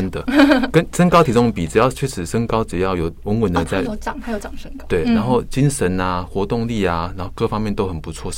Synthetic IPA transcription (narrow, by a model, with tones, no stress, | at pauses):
ə˥nd̪ə˨kə˦˥nʂə˥ŋkɑ˥ʊt̪ʰi˧˥ʊ˥ŋpi˨˩ʈ͡ʂɻ̩˨˩jɑ˥˩ʊt͡ɕʰɥɛ˥˩ʂɻ̩˨˩ʂə˥ŋkɑ˥ʊʈ͡ʂɻ̩˨˩jɑ˥˩ʊjo˨˩ʊwə˧˥ŋwə˧˦nd̪ə˧t͡sa˥ɪ˧˥t͡ɕɑ˨˩ŋa˨˧˥jo˧˩ʊt͡ɕɑ˨˩ŋʂə˥ŋ˨t̪we˥˩ɪna˧˦nxo˥˩ʊt͡ɕi˥nʂə˨˦na˧xwɔ˧˥t̪ʊ˥˧ŋli˥˩a˩na˧nxo˥˧ʊkɤ˥˨˩fɑ˥ŋmjɛ˥˩nt̪o˥xə˨˩npu˧˦t͡sʰwɔ˥˧